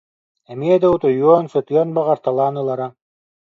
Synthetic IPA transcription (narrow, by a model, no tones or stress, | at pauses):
ɛmiɛd̪aut̪ɔjuɔnsɯt̪ɯjɔnbaʁaɾt̪alˠaːnɯlˠaɾa